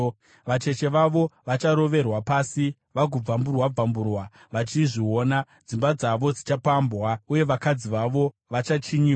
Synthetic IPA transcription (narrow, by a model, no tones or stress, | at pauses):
ʋat͡ʃe̞t͡ʃe̞ʋaʋo̞ʋat͡ʃaɾo̞ʋe̞rwapaːsi | ʋaɡʱub͡vamburwab͡vamburwa | ʋat͡ʃiʐio̞ːna | d͡zimbad͡zaʋo̞d͡zit͡ʃapambwauje̞ʋakad͡ziʋaʋo̞ | ʋat͡ʃat͡ʃiɲi